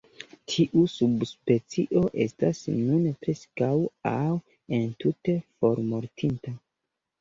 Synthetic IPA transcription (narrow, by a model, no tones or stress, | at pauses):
tʰiʔusubspe̞t͡siʔo̞ʔe̞̰sta̰snunpɾe̞skawaw | e̞ntute̞fo̞ɾmo̞ɾtʰinta